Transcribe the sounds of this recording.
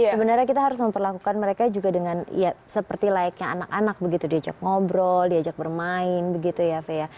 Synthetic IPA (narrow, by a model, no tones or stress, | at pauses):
səbənarɲakit̪aɦaɾʊs̬məmpərlakukanməɾekad͡ʒuɡadəŋanjasəpərt̪ilaɛk̚ɲaanakanak̚bəɡit̪udiad͡ʒa̰k̚ŋobɾɔldiad͡ʒak̚bərmaɪnbəɡit̪ujafeja